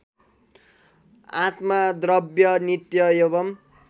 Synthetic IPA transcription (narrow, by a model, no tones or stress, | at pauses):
at̪mad̪rʌbjʌnit̪jʌjeβʌm